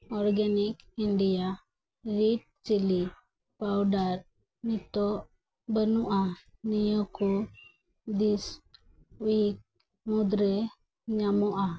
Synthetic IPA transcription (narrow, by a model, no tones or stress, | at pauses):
ɔɾɡanikinɖija | ɾiʈ̚t͡ʃili | pawɖaɾ | nit̪ɔʔ | bənuʔa | nijɔkɔ | d̪is | wik̚ | mud̪ɾɛ | ɲamɔʔa